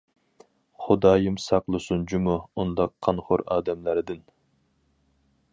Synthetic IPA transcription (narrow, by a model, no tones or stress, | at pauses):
χʊd̪ɑːjimsɑqlˠɨsund͡ʒumuund̪ɑqʰːɑnχʊɾɑ̰ːd̪ɛmlæɾɪd̪ɪn